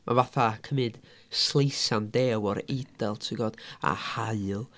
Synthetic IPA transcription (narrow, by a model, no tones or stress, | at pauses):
mʔavaθakʰəmɨd̥ | slˠejsandeːwɔɾed̥ɛlˠtʰɪɡɔd̥a̰haɨlˠ